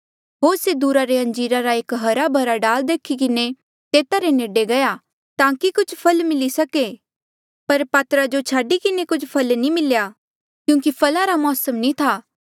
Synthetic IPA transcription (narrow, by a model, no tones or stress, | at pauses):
ɦoːɾsed̪uːɾaɾeɐ̃ɲd͡ʒiːɾaɾaeːkɦɐɾabʱɐɾaɖaːld̪eːkʰikɪne | t̪eːt̪aɾeneːɖeɡɐja | t̪ãːkikʊt͡ʃʰpʰɐlmɪlisɐke | pɐɾpaːt̪ɾad͡ʒot͡ʃʰaːɖikɪnekʊt͡ʃʰpʰɐlnĩmɪlja | kjũːkipʰɐlaɾamɔːsəmnĩt̪ʰaː